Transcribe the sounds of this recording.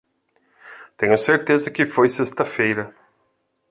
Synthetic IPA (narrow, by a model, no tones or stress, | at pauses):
t̪ẽɲʊseɾt̪ezɐkɪfojsest̪ɐfejɾɐ